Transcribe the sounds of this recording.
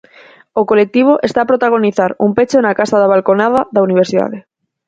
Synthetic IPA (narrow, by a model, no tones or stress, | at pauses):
okolek̚t̪iβ̞oʔest̪aːpɾot̪aɣ̞oniθaɾumpet͡ʃoenakasaðaβ̞alkonað̞aðauniβ̞eɾsiða̰ðe